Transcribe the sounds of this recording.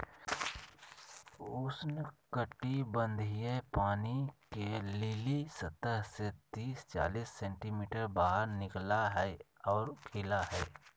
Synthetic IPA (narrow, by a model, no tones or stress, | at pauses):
ʊsnkəʈibə̃nd̪ʱijepaːnikelɪlisət̪əɦset̪iːst͡ʃa̰ːliːsːɛ̃ːɳʈimiːʈəɾbaːɦəɾnɪklaɦɛɔːɾkʰɪlaɦɛː